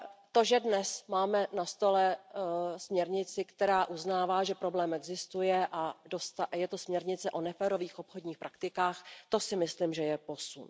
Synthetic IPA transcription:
t̪o̞ʒɛdnɛsmaːmɛnast̪o̞lɛ | smɲɛɾɲɪt͡sɪkt̪ɛɾaːʔuznaːvaːʒɛpɾo̞blɛːmɛɡzɪst̪ujɛʔadost̪ajɛt̪o̞smɲɛɾɲɪt͡sɛʔo̞nɛfɛːɾo̞viːxʔo̞pxodɲiːxpɾʔakt̪ɪkaːxt̪o̞sɪmɪslimʒɛjɛpo̞sṵn

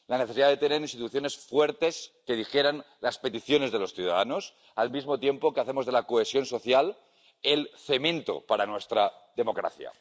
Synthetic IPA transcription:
laneθeiðaðe̞t̪ene̞ɾinst̪it̪uθjo̞ne̞sfwe̞ɾt̪e̞ske̞ð̞ixje̞ɾan | laspe̞t̪iθjo̞ne̞zðe̞lo̞sθjuða̰ðano̞s | almizmo̞t̪je̞mpo̞keaθe̞mo̞zðe̞lakoesjo̞nso̞θjal | e̞lθe̞mẽ̞nt̪o̞̰paɾanwe̞st̪ɾaðe̞mo̞kɾa̰θja̰

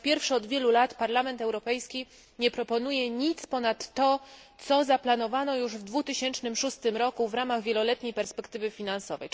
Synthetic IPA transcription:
pʲjɛɾfʂɛɔd̪vʲjɛlulat̪paɾlamɛnt̪ɛwɾɔpɛjskʲi | ɲɛpɾɔpɔnujɛɲit̪spɔnat̪ːɔt̪sɔzaplanɔvanɔjuʐvd̪vut̪ɘɕɛnt͡ʂnɘmʂust̪ɘmɾɔkuvɾamaɣvʲjɛlɔlɛt̪ɲejpɛɾspɛkt̪ɘvɘfʲinansɔvɛ̰j

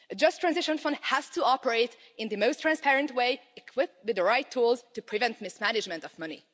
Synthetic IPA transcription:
ɨd͡ʒʌstʰːɹ̥æ̃nzɪʃə̃nfʌ̃nd̚hæz̥tʰəɑpəɹeɪt | ɪ̃nðɨmoʊstʰɹ̥æ̃nspɛɹɨ̃ntweɪɪkʰwɪp̚wɨðəɹaɪtʰːulˠztɨpʰɹɨvɛ̃nt̚mɪsmænɨd͡ʒmɨ̃ntʌvmʌnḭ

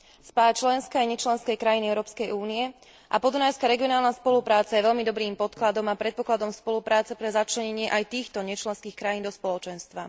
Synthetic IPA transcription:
spaːjat͡ʃlɛnskaajɲɛt͡ʃlɛnskɛjkɾajiniɛʊɾɔːpskɛjuːniɛ | ʔapɔd̪unajskaɾɛɡiɔnaːlnaspɔlupɾaːt͡sajɛʋɛʎmid̪ɔbɾiːmpɔt̪klad̪ɔmapɾɛt̪̚pɔklad̪ɔmspɔlupɾaːt͡sɛpɾɛzat͡ʃlɛɲɛɲɪɛʔajt̪iːxt̪ɔɲɛt͡ʃlɛnskiːxkɾajiːnd̪ɔspɔlɔt͡ʃɛnst̪ʋa

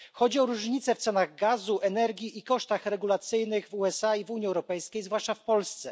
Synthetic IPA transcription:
xɔd͡ʑiɔɾuʐɲit̪sɛft̪sɛnaɣɡazuʔɛnɛɾɡʲiʔikɔʂt̪axɾɛɡulat̪sɘjnɘɣvuɛsaivuɲiɛwɾɔpɛjskʲejzvwaʂt͡ʂafpɔlst̪sɛ

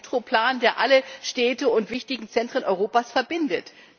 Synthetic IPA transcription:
tʁ̥opl̥aːndeːɐʔaləʃtɛːtəʊntv̥ɪçtɪɡŋ̩t͡sɛntʁ̥ənʔɔʏʁ̞oːpaːsfɛɐbɪndət

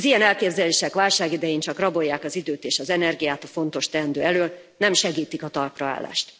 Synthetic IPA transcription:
zijɛnɛlkeːbzɛleːʃɛkʋaːlʃaːɡid̪ɛjiːnt͡ʃɒkrɒbo̞jːaːkɒzid̪øːt̪eːʃɒzɛnɛrɡijaːt̪ɒfo̞nt̪o̞ʃt̪ɛnd̪ø̰ːɛløːl | nɛmʃɛɡiːt̪ikɒt̪ɒrprɒa̰ːlːa̰ːʃt̪

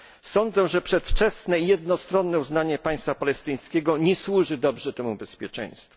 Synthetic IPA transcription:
sɔnd̪zɛʐɛpʂɛt̪ft͡ʂɛsnɛijɛd̪nɔst̪ɾɔnːɛuznaɲɛpaj̃st̪fapalɛst̪ɘj̃skʲɛɡɔɲɛswuʐɘd̪ɔbʐɛt̪ɛmubɛspʲjɛt͡ʂɛ̰j̃st̪fu

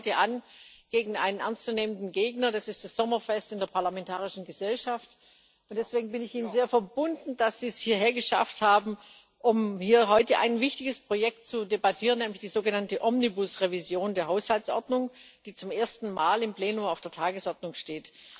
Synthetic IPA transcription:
təʔanɡ̥eːɡŋ̩a̰ɪnənʔɛɐnst͡suneːməndn̩ɡeːɡnɐdasɪstd̥asz̥ɔmɐfɛstɪndeːɐpʰaɐlamɛntʰaːʁɪʃn̩ɡəzɛlʃaft | ʊntd̥ɛsv̥eːɡŋ̩bɪnɪçʔiːnənzeːɐfɛɐbʊndn̩d̥asz̥iːshiːɐɦeːɐɡəʃa̰fthaːbm̩ | ʔʊmhiːɐɦɔʏtəʔa̰ɪnvɪçtɪɡəspʁ̥ojɛk̚tt͡sudebatʰiːʁənːɛːmlɪçd̥iːzoːɡənantəʔɔmnibʊsʁevizjoːndeːɐɦaʊshalt͡ssʔɔɐdnʊŋd̥iːt͡sʊmʔeːɐstn̩maːlɪmpleːnʊmaʊfd̥eːɐtʰaːɡəsʔɔɐdnʊŋʃteːt

